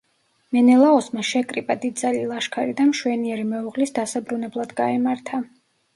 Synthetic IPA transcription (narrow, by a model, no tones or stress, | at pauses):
mɛnɛlˠaɔsmaʃɛkʼɾibʼad̪id̪̚zalilˠaʃkʰaɾid̪amʃwɛniɛɾimɛuʁlisd̪asabɾunɛblˠad̪ɡaɛmaɾt̪ʰa